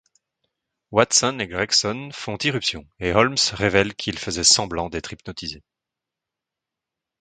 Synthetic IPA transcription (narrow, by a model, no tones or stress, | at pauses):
wat̪sɔneɡʁaksɔnfɔ̃t̪iʁypsjɔ̃eɦɔlmsʁevɛlkʰilfəzɛsɑ̃blɑ̃d̪ɛt̪χipnɔt̪ize